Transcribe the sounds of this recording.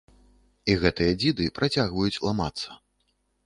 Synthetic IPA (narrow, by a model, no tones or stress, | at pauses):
iɣɛt̪ɨjɐd͡zʲid̪ɨpɾʔat͡sʲaɣvɐjut͡sʲlˠama̰t̪sːɐ̥